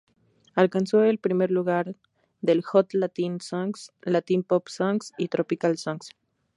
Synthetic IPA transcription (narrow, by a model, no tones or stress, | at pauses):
alkansoelpɾimeɾluɣaɾ | ðelxot̪lat̪insaŋslat̪impopsaŋksit̪ɾopikalsaŋks